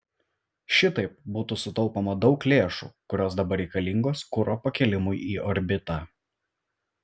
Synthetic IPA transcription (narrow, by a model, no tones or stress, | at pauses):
ʃʲɪt̪ɐɪp̚buːt̪uːsʊt̪ɔlˠpoːmɐd̪ɒʊklʲeːʃṵːkʊɾʲoːsd̪ɐbɐɾʲɛɪkɐlʲɪŋɡoːskʊɾoːpɐkʲɛlʲɪmʊjiːʔɔɾʲbʲɪt̪ɑ